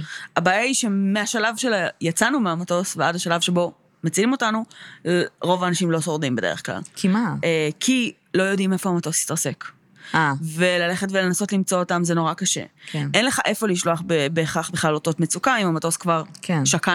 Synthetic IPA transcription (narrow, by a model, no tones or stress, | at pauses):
abaːjaiʃemeaʃalavʃelajat͡sanumeamato̞sveadaʃalavʃe̞bo̞ | mat͡silimo̞tanu | ʁo̞vaːnaʃimlo̞so̞ʁdimbede̞̰eχkla̰lkʰimaekʰi | lo̞jo̞dime̞fo̞amato̞si̥taʁse̞k | ave̞lale̞χetvele̞naso̞tlimt͡so̞ːtamzeno̞ʁakaʃe̞̰enleχaʔe̞fo̞liʃlo̞aχbebeːχaχbeχlalo̞to̞tmet͡sukaimamato̞skvaʁkʰenʃaka